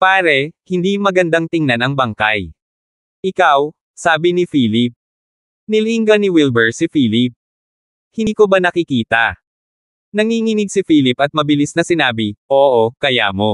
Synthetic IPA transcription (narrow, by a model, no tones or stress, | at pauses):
paːɾɛhɪnd̪imɐɡɐnd̪aŋt̪ɪŋnanɐŋbɐŋka̰j | ʔɪkaw | saːbɪnɪfiːlɪp̚ | nɪliŋɡɐnɪwilbɛɹsɪfiːlɪp̚ | hɪkobanɐkɪkiːt̪ɐ̰ | nɐŋiŋɪnɪɡ̚sɪfiːlɪpɐt̪̚mɐbɪlisnɐsɪnaːbɪʔoːʔokɐja̰ːmo̞